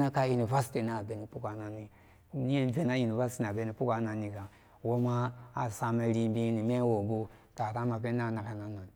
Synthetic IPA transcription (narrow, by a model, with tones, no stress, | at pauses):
na˦ka˦ji˨ni˨va˦sti˨na˨be˨˦ni˨pu˦kʷa˨na˨ni˦ | ni˦e˦n˦ve˦na˦ji˨ni˨va˦sti˦na˨be˦ni˨pu˦ka˦na˨nːi˨ka˨ | wo˦ma˦a˨sa˦me˦ɾi˦bi˦ni˨me˦wo˨ɡu˦ta˨ɾa˦ma˨be˦n˦a˦˨na˨ka˨na˦no˨n˨